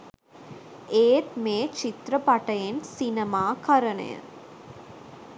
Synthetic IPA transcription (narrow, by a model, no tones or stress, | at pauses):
eːt̪meːt͡ʃit̪ɾɐpɐʈɐjensinɐmaːkɐɾɐnḛjɐ̰